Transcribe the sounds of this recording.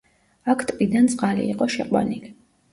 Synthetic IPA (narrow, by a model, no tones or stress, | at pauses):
akʰt̪ʼpʼid̪ant̪sʼqʼalḭːqʼɔʃɛqʼwa̰nili